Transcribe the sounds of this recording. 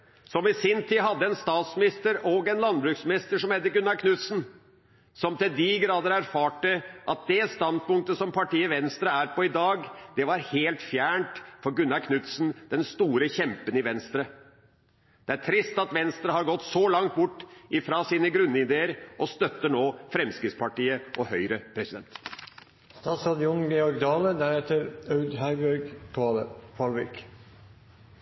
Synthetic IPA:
sɔmɪsɪnt̪ʰiːɦɑd̪ːəɛnst̪ɑːt̪smɪnɪst̪əɾɔɡɛnlɑnbɾʉːksmɪnɪst̪əʂɔmhɛt̪ːəɾɡʉnːɑɾkʰnʉt̪sn̩ | sɔmt̪ɪld̪ɪɡɾɑːd̪əɾæɾfɑːʈːəʔɑt̪̚d̪ɛst̪ɑnd̪pʊŋk̚t̪əsɔmpʰɑʈiːəʋɛnst̪ɾəæːɾpʰɔɪd̪ɑːɡd̪̥ɛʋɑɾheːlt̪fjæːɳʈfɔɾɡʉnːɑkʰnʉt̪snd̪ɛnst̪uːɾəçɛmpənɪʋɛnst̪ɾə | d̪̥ɛæʈʰɾɪst̪ɑt̪ʋɛnst̪ɾəɦɑɾɡɔt̪ːsɔlɑŋt̪̚bʊʈːʔɪfɾɑsiːnəɡɾʉnːəɪd̪eːəɾʔɔst̪œt̪ːəɳoːfɾɛmskɾɪt̪spʰɑʈiːəʔɔhœʏɾəpʰɾɛsɪd̪ɛnt̪ | st̪ɑːt̪sɑd̪ɪʊnɡɛɔɾɡd̪ɑːləd̪æɾɛt̪əɾœʉd̪ɦæɾbæɾɡt̪ʰʊɑːləpʰɑlʋɪk

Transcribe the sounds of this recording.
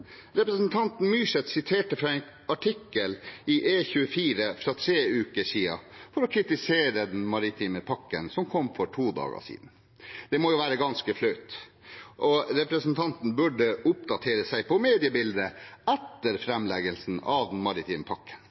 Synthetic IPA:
ɾɛpɾəsnt̪ʰɑnt̪n̩myːsɛt̪sɪt̪ʰeːʈəfɾɑɛɪn | ɑʈʰɪkːəlɪʔeːçʉːəfiːɾəfɾɑt̪ʰɾeːʉːkəʂiːɑ̰fɔɾɔkʰɾɪt̪ɪseːɾəd̪ɛnmɑɾɪt̪ʰiːməpʰɑkːənsɔmkʰɔmːfɔʈʰuːd̪ɑ̰ːɡə̰sḭːd̪n̩ | d̪̥ɛmɔjʊʋæːɾəɡɑnskəflœʏt̪ʔɔɾɛpɾəsnt̪ʰɑnt̪n̩bʉɖəʔʊpd̪ɑt̪ʰeːɾəsæɪpʰɔmeːd̪ɪəbɪld̪əɛt̪ːəɾfɾɛmlɛɡəlsn̩ɑʋd̪ɛnmɑɾɪt̪ʰiːməpʰɑkːə̥n

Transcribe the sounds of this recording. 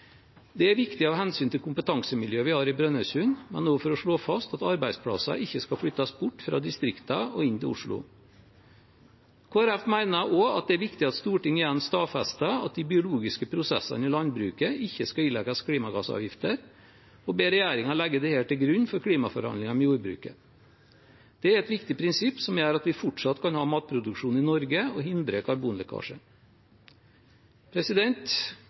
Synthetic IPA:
d̪ɛæɾʋɪkt̪ɪɑʋhɛnsyːnt̪ʰɪlkʰʊmpət̪ʰɑŋsəmɪljøːəʋɪhɑːɾɪbɾœnœsʉːnmɛ̰nnoːfɔɾɔʂɭoːfɑst̪ɑt̪ɑɾbæɪspʰɽɑ̰sɑ̰ʔɪçːəskɑfɽʏt̪ːɑsbʊʈːfɾɑ̰ːd̪ɪst̪ɾɪkt̪ɑɔɪnt̪ɪʊ̰ʂɭʊ̰ | kʰoːæɾæfmæɪnɑʔoɑ̰t̪̚d̪ɛæɾʋɪkt̪ɪɑt̪st̪uːʈɪŋːɪjɛnːst̪ɑːfɛst̪əɑ̰t̪̚d̪ɪbɪʊluːɡɪskəpʰɾʊsɛ̰sɑ̰nɪːlɑnbɾʉːkəɪçːəskɑiːlɛɡɑskʰliːmɑɡɑ̰ːsɑ̰ːʋjɪft̪əɾ | ɔbeːɾɛjæːɾɪŋɑlɛɡːəd̪ɛheːlt̪ːɪlɡɾʉɲːfɔɾkʰɽiːmɑfɔɾhɑ̰nlɪŋɑmɛjuːɾbɾʉ̰ːkə | d̪̥ɛæɾɛt̪ʋɪkt̪ɪpʰɾɪnsɪpːsɔmjæːɾɑt̪ʋɪfʊʈʂɑt̪ːkʰɑnhɑːmɑːt̪̚pʰɾʊd̪ʉkʂuːn̩ɪnɔɾɡəɔɦɪnd̪ɾəkʰɑɾbuːnlɛkʰɑ̰ːʂə | pʰɾɛsɪd̪ɛnt̪

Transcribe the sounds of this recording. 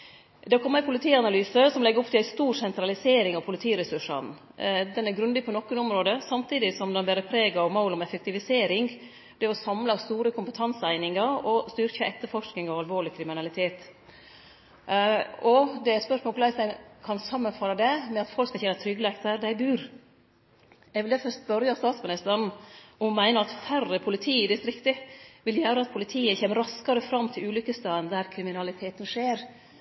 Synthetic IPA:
d̪ɑkʰɔmːæɪpʰʊlɪt̪ʰiːɑnɑlyːsəsɔmlɛɡəɾɔpt̪ʰɪæɪst̪uːɾsɛnt̪ɾɑlɪseːɾɪŋɑʋpʰʊlɪt̪ʰiːɾɛsʉʂɑ̰n | d̪ɛnæɾɡɾʉnd̪ɪpʰɔnɔkːʊnʊmɾoːd̪əsɑmt̪ʰiːd̪ɪsɔmd̪ɛnbɛɾəpʰɾeːɡɑɔmaʊlɔmɛfɛk̚t̪ɪʋɪseːɾɪŋ | b̥̪ɛɔsɑmlɑst̪uːɾəkʰʊmpət̪ʰɑnsəæɪnɪŋɑɾɔst̪ʏɾkəʔɛt̪ːəɾfɔʂknɪŋɑʋɑlʋoːɭɪkʰɾɪmɪnɑlɪt̪ʰeːt̪ | ɔd̪ɛæspœʂmoːkʰlæɪsæɪnkʰɑnsɑmːənfɑɾɑd̪ɛmɛɑt̪fɔlkskɑçɛnːət̪ʰɾʏɡəleːkt̪əɾd̪æɪbʉːɾ | ɛɡʋɪld̪æfœst̪̚bœɾjɑst̪ɑːt̪smɪnɪst̪əɾnʊmmæɪnəɾɑt̪færːəpʰʊlɪt̪ʰiːɪd̪ɪst̪ɾɪkt̪əʋɪljæːɾəɑt̪̚pʰʊlɪt̪ʰiːəçeːməɾɑskɑɾəfɾɑmːt̪ʰɪlʉːlʏkəst̪ɑːənd̪æɾkʰɾɪmɪnɑlɪt̪ʰeːt̪ənʂeːɾ

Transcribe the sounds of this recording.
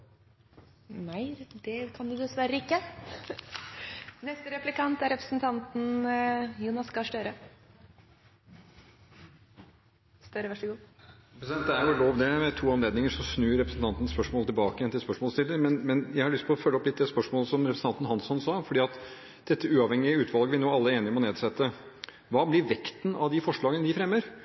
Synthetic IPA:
næɪd̪ɛkʰɑnd̪ʉd̪ɛsʋæɾːəɪkːə | nɛst̪əɾɛplɪkɑnt̪æɾɛpɾəsnt̪ʰɑnt̪n̩ | juːnɑskɑʂʈøːɾə | st̪øɾəʋæʂəɡuːɛpɾəsd̪ɛnt̪ːəæɾjʊloːʋd̪ɛmɛt̪ʰuːɑmleːd̪nɪŋəʂɔsnʉːɾɛpɾəsn̩t̪ɑnt̪ən̩spœʂmoːlət̪ɪlbɑːkəjɛnt̪ɪlspœʂmɔːlst̪ɪlːəɾmɛnmɛnjæɪhɑɾɭʏst̪ʰɪlɔfœlːəɔplɪt̪̚ːd̪ɛspœʂmoːləsɔmɾɛpɾs̩ɑnt̪n̩hɑnsɔnsɑːfɔɖiːɑt̪ | d̪̥ɛt̪ːəʉːɑʋhɛŋːɪəʉːt̪ʰʋɑlɡəʋɪnoːɑlːəeːnɪɔmɔneːd̪sɛt̪ːə | ʋɑːblɪɾʋɛkt̪n̩ɑʋd̪ɪfɔʂɭɑːɡənəd̪ɪfɾɛmːəɾ

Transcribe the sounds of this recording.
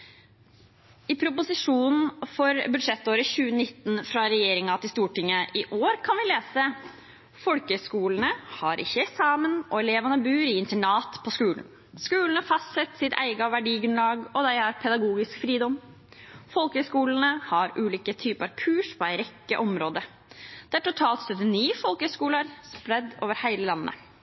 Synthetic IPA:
ɪpʰɾʊpʊsɪʂuːnn̩n̩fɔɾbʉd̪ʂɛt̪ːoːɾəçʉːənɪt̪ːn̩fɾɑɾɛjeːɾɪŋɑt̪ɪlst̪uːʈɪŋːəɪʔoːɾkʰɑnʋɪleːsə | fɔlkəskuːln̩əhɑɾʔɪ̰çːəɛsɑːmənɔɛleːʋɑnəbʉːɾɪɪnt̪ɛɳɑːt̪pʰɔskʉːln̩ | skʉːlən̩əɑfɑst̪sɛt̪ːsɪt̪ʰæ̰ɪɡɑʋæɖiːɡɾʉnlɑːɡɔd̪æɪɑɾpʰɛd̪ɑɡuːɡɪskfɾiːd̪ɔm | fɔlkəskuːlən̩əhɑɾʔʉːliːkət̪ʰyːpəɾɑʋkʰʉːʂpʰɔæɪɾɛkːəʔɔmɾoːd̪ə | d̪̥æʈʊt̪ʰɑːlt̪st̪œt̪ːənyːfɔlkəskuːləɾspɾɛd̪ːo̰ːʋəɾhæɪləlɑnːə̰

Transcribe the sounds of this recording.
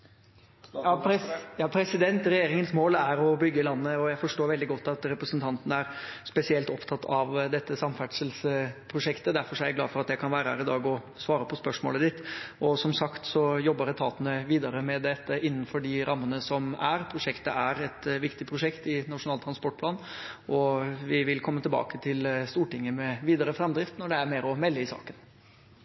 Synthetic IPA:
jɑjɑːpʰɾɛsɪd̪ɛnt̪ɾɛjeːɾɪŋənsmoːlæɾɔbʏɡːəɪlɑnːəɔjæɪfɔʂʈoːɾʋɛld̪ɪɡɔt̪ːɑt̪ɾɛpɾəsnt̪ʰɑnt̪nəæɾspɛsɪɛlt̪ɔpt̪ʰɑt̪ːʰɑʋd̪ɛt̪ːəsɑmfæʈʂəlspʰɾʊʂɛkt̪əd̪æɾfɔʂɔæɾæɡlɑːfɔɾɑt̪jæɪkʰɑnʋæːɾəhæ̰ɾɪd̪ɑːɡɔ | sʋɑːɾəpʰɔspœʂmo̰ləd̪ɪt̪ːʔɔsɔmsɑkt̪sɔjɔbːəɾɛt̪ʰɑːt̪ənəʋiːd̪ɑɾəmɛd̪ɛt̪ːəʔɪnːənfɔɖɪɾɑmːənəsɔmæɾpʰɾʊʂɛkt̪əæɾɛt̪ʋɪkt̪ɪpʰɾʊʂɛkt̪ɪnɑʂʊnɑːlt̪ʰɾɑnspɔʈ̚ːpʰlɑːnʔɔʋɪʋɪlkʰɔmːət̪ʰɪlbɑ̰ːkət̪ʰɪlst̪uːʈɪŋːəmɛʋiːd̪ɑɾəfɾɛmd̪ɾɪft̪nɔɖɛæɾmeːɾɔmɛlːəɪsɑ̰ːkən

